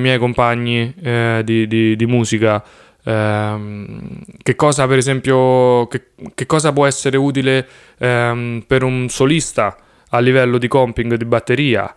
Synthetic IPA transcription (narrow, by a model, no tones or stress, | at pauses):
mjɛjkompaɲːid̪id̪id̪imuːsika | k̟ekːɔːzapeɾezɛmpjoke | k̟ːekːɔːzapwɔɛsːeɾeuːt̪̬ile | peɾunsolist̪a | alːivɛlːod̪ikɔmpiŋɡd̪ibat̪ːeɾiːa̰